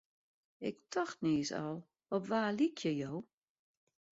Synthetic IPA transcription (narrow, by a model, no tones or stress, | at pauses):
ɪk̚tʰɔxtniːsɔ̰lˠ | ɔpʋaːlikʰjəjow